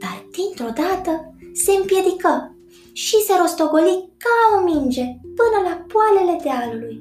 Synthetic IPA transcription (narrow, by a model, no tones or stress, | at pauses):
b̪ad̪int̪ɾod̪at̪əsempjɛd̪ikə | ʃiseɾost̪oɡolikːalaomind͡ʒepɨnəlapwaleled̪ealːuj